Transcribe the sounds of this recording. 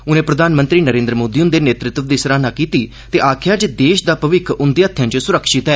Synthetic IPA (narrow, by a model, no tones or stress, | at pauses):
ʊnẽːpɾəd̪ʱaːnmənt̪ɾiːnəɾẽːnd̪ɾəmoːd̪iːʊnd̪eːneːt̪ɾɪt̪ʋd̪iːsəɾaːnaːkiːt̪iː | t̪eːʔaːkʰjaːd͡ʒed̪eːʃd̪aːpəʋɪkʰʔʊnd̪eːət̪ʰːjãːt͡ʃsʊɾəkʰʃɪt̪ɛː